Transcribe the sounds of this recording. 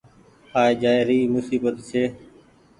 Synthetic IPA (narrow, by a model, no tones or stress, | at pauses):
haːeːd͡ʒaːɾiːmʊsiːbət̪seː